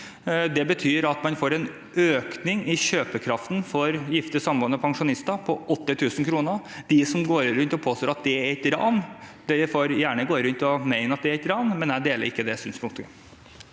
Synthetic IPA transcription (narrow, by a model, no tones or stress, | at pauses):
d̪ɛbət̪ʰyːɾɑt̪mɑnfoːɾɛn | øːknɪŋɪɕøːpəkʰɾɑft̪n̩fɔɾjɪft̪əsɑmbɔːnːəpʰɑŋʂʊnɪst̪ɑpʰɔʔɔt̪ːɪt̪ʰʉːsnkʰɾuːnəd̪̥ɪsɔmɡoːɾɾʉnt̪ɔpʰoːst̪oːɾɑt̪̚d̪ɛæɾɛt̪ɾɑ̰ːnd̪ɛfoːɾjæːɳəɡoːɾʉnt̪ɪɔmæɪnəɑt̪̚d̪ɛæɾɛt̪ɾɑːnmɛnæɪd̪eːlə̰ɾɪkːəd̪ɛst̪ʉnspʊŋkt̪ʊə